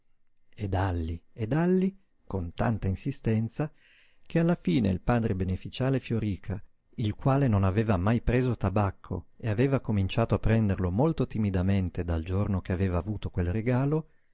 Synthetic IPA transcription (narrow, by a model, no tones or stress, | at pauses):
ed̪alːied̪alːi | kont̪a̰nt̪ainsist̪ɛnt̪sa | kʰealːafiːnḛilpaːd̪ɾebenefit͡ʃaːlefjoɾiːkʰa | ilkwaːlenonaveːvamajpɾeːzot̪abakʰːo̰eaveːvakomint͡ʃaːt̪oapːɾɛnd̪erlomolt̪ot̪imid̪ament̪ed̪ald͡ʒornok̟eaveːvaːvuːt̪okwelreɡaːlo